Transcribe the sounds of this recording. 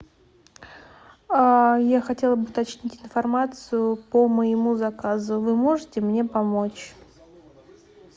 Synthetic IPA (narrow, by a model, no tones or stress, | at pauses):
ajaxɐtʲe̞lˠəbɨʊt̪ɐt͡ɕnʲitʲɪnfɐrmat̪sɨjʊpəməɪmuzɐkazʊvɨmo̞ʐɨtʲɪmnʲe̞pɐmo̞t͡ɕ